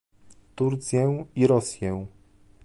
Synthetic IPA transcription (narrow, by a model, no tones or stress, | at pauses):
t̪uɾt̪sʲjɛiɾɔsʲjɛ̃w